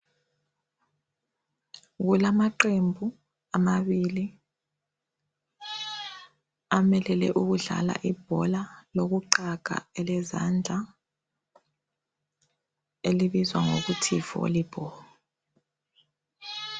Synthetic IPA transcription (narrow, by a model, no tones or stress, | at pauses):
ɣulamaǃembʱu | amaβili | amɛlɛlɛ̰ʔuɣuɮa̰la̰ʔib̥̚ʱɔlaloɣuǃaɡ̥ʱa̰ɛlɛza̰nd͡ɮʱa | eliβizwaŋo̰ɣutʰivo̰lib̥ʱɔla